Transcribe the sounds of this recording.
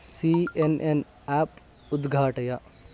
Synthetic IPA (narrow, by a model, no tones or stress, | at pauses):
sienʔen | ap | ud̪ɡʱaːʈɐjɐ